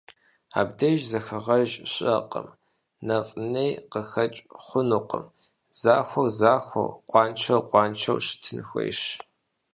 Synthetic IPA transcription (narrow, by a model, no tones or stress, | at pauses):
a̰ːb̚dɐʒzɐxɐʁɐʒɕʼɐqʼə̰m | nɐfʼnejqəxɐt͡ʃʼχʷʊnuqʼəm | z̥aːxʷɐrzaːxʷɐ̰rqʷɑːnt͡ʃʰɐwqʷʼɑːnt͡ʃʰɐ̰wɕɪ̥tʰɨnxʷḛjʂ